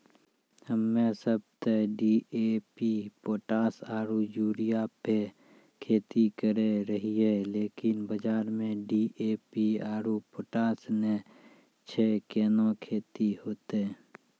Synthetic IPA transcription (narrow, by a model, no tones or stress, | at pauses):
həmːẽsəb̚t̪eɖiːeːpipoːʈaːsaːɾud͡ʒuːɾijape | kʰeːt̪ikəɾeɾəɦiɦeleːkɪnbəd͡ʒaːɾmẽɖiʔeːpiaːɾupoːʈaːsne | t͡ʃʰeːkeːnõkʰeːt̪iɦoːt̪e